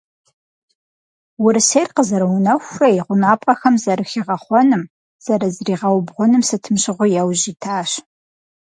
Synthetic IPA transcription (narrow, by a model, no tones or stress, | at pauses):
wʊɾɨsejrqəzɐɾɐwʊnɐxʷrɐjʁʷʊnaːpʼɐxɐmzɐɾɨxiʁɐχʷɔnɨm | z̥ɐɾɐzriːʁɐwbʁʷʊnɨmsɨtʰɨmɕɪʁʷʊjawʑiːtʰaːɕ